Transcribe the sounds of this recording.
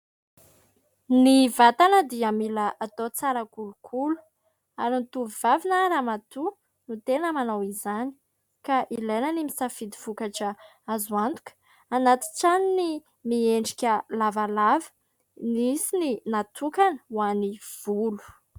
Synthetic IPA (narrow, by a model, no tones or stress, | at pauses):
nivat̪anəd̪iamiləat̪ot͡saɾəkulukʰulu̥ | aɾint̪uvivavinaɾamat̪u | nut̪enəmanawizani̥ | kaʔilejnənimisafid̪iv̥ukaʈ͡ʂə | azuant̪u̥kə̥ | anat̪i̥ʈ͡ʂanini | mieɳɖ͡ʐikʲəlavalavə̥ | nisininat̪ʰukanəwaniv̥ulu̥